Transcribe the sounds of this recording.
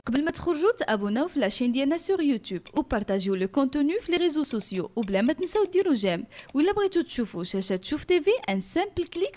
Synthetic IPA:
qɑbəlmæt̪χoɾʒut̪ʔæbunæwfilæʃind̪jælnæsyʁjut̪ubupɑɾt̪aʒiwləkɔ̃t̪ənyfileʁezososjoʔublæmæt̪ənsæwd̪iɾuʒæmwilːæbʁit̪ut̪ʃufuʃæʃæt̪ʃuft̪eveʔænsæmplklik

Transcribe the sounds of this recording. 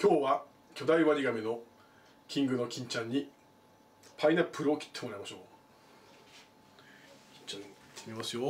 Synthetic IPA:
kʲo̞ːβa | kʲo̞d̪aiβaɾiɡamʲino̞ | kʲĩŋɡɯ̟no̞kʲĩɲ̟t͡ɕãɲ̟ːi | pʰainepːɯ̟ɾɯ̟o̞kʲʰi̥t̪ʰːe̞mo̞ɾaimaɕo̞ː | kʲĩ̥ɲt͡ɕãt̪ʰːemʲimasɨjo

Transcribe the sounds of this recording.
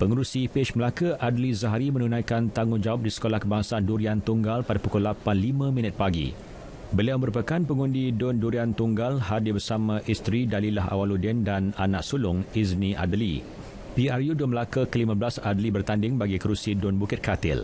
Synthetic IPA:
pəŋəɾusipeʃməlakaʔadlizaɦaɾimə̃nunãjkant̪aŋʊnd͡ʒawap̚disə̥kolahkəbaŋsaanduɾiant̪uŋɡalpadapukʊlapanlimãmĩnət̪̚paɡḭ | bəliawməɾupakanpəŋũndidʊnduɾiant̪uŋɡalhadɪbərsamãʔist̪ɾidalilaɦa̰waludɛndananaʔsulʊŋiznĩʔa̰dəlḭ | piarjudʊnməlakakəlimãblasadəlibərt̪andɪŋbaɡikəɾusidʊnbukɪt̪̚kat̪ɪ̰l

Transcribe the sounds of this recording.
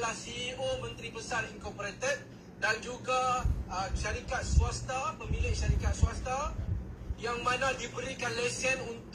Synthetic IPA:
lasiomə̃nt̪ɾipəsariŋkɔpoɾet̪ɛt̪̚ | dand͡ʒuɡaəʃaɾikat̪̚suast̪apəmĩlɪʔ̚ʃaɾikat̪̚suast̪a | jaŋmãnãdibəɾikanled͡ʒənunt̪

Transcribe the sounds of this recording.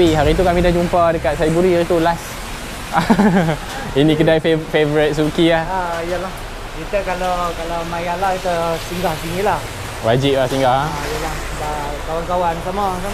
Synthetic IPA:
iɦaɾit̪̬ukamidahd͡ʒumpadəkat̪̚sajabuɾiit̪ulas | a | inĩkədajfefevɾɪt̪̚s̬ukiahaijəlah | kit̪əkalakalamajalait̪əsiŋɡahsiŋilah | wad͡ʒɪʔ̚lahsiŋɡahijəlah | da | kawankawansamasam

